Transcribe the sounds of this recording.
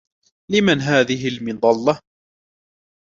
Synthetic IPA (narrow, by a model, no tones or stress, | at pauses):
lɪmanɦaːðɪɦɪlmɪnd̪ˤɑlːɑ